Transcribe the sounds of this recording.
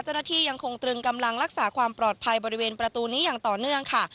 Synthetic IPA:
t͡ɕa˥˩wnaː˥˩t̪ʰiː˧ja˧ŋkʰo˧ŋt̪ɾɯ˧ŋka˧mla˧ŋɾa˦˥k̚saː˩˦kʰwaː˧mpɾɔː˨˩t̪̚pʰa˧jbɔː˧ɾi˧weː˧npɾa˧t̪uː˧niː˦˥jaː˨˩ŋt̪ɔː˨˩nɯ˥˩əŋkʰa˥˩

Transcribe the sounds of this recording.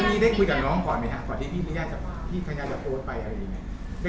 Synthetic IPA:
miː˥˩daː˥˩jkʰu˧jkaː˨˩nɔː˦˥ŋkɔː˨˩nma˦˥jkʰa˦˥k̪ɔː˨˩nt̪iː˥˩pʰiː˥˩li˦˥˦jaː˥˩t͡ɕa˨˩pʰaː˧˩t̪ʰiː˥˩kʰa˧jaː˦˧˩la˧˩poː˧˥t̚pa˧jʔa˧ɾa˧ja˨˩ŋː˦˥˦i | da˥˩

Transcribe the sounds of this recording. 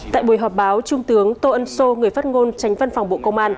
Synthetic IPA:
t̪a̰ː˧˨jɓu˧˩əjɦɔ˨˩p̚ɓaː˨˦wt͡ɕʊ˧ŋ͡mt̪ɨ˨˦əŋt̪o˧ʔə˧nso˧ŋɨ˨˩əjfaː˦˥t̚ŋo˧nt͡ɕa˨˦jŋ̟və˧nfɔ˨˩wŋ͡mɓo̰˧˨kə˧wŋ͡mʔaː˧n

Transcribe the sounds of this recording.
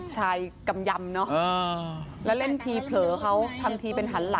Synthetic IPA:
t͡ɕʰaː˧jka˧mja˧mnɔ˦˥ʔɤː˧˩lɛː˦˥wle˥˩nt̪ʰiː˧pʰlɤː˩˦kʰa˦˥wt̪ʰa˧ŋt̪ʰiː˧pe˧nɦa˩˦nla˩˦

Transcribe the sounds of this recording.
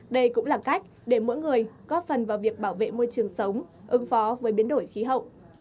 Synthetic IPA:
ɗə˧jkʊ̰˧˥ŋ͡mlaː˨˩ka˦˥jk̟̚ɗe˧˩mo̰˧˥jŋɨ˨˩əjkɔ˨˦fə˨˩nvaː˨˩wvi˨˩ək̚ɓaː˧˩wvḛ˧˨mo˧jt͡ɕɨ˨˩əŋsə˨˦wŋ͡mʔɨ˨˦ŋfɔ˨˦vəː˨˦jɓi˨˦ənɗo˧˩jxi˨˦ɦə̰˧˨wʔ

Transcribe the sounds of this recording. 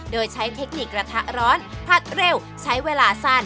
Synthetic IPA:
doː˧jt͡ɕʰa˦˥jt̪ʰe˦˥k̚ni˨˩k̚ɾa˧t̪ʰa˦˥ʔ̚ɾɔː˦˥npʰa˦˥t̪̚ɾe˧˥˩w | t͡ɕʰa˦˥jweː˧laː˧sa˥˩n

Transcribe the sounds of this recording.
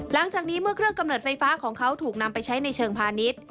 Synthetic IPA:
la˩˦ŋt͡ɕaː˨˩k̚niː˦˥mɯ˥˩əkʰɾɯ˥˩əŋka˧mnɤː˨˩t̪̚fa˧jfaː˦˥kʰɔː˩˦ŋkʰa˦˥wt̪ʰuː˨˩k̚na˧mpa˧jt͡ɕʰa˦˥jna˧jt͡ɕʰɤː˧ŋpʰaː˧ni˦˥t̪̚

